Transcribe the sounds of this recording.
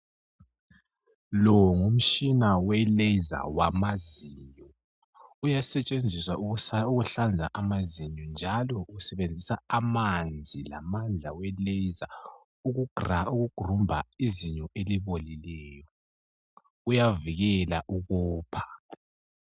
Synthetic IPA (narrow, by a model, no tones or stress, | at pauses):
lɔŋum̩t͡ʃʼinawɛlɛza̰wamaziːɲɔ | ujasɛt͡ʃʼend͡zʱiswauɣuɬand͡zʱa̰ʔamaziɲɔnd͡ʒʱalɔuusɛβend͡zʱisaamand͡zʱila̰mand͡ɮʱawɛlɛza | uɣuɡ̥ʱrauɣuɡ̥ʱrumbʱa̰iziɲɔʔeliβolilɛːjɔ | ujaviɣɛlaʔuɣɔːpʰḁ